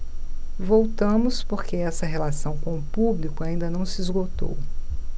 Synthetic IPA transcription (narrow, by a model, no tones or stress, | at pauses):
vowt̪ɐ̃mʊspoɾkeɛsɐɦelasɐ̃w̃kõʊpublikʊaĩnd̪ɐnɐ̃w̃sɪizɡot̪o̰w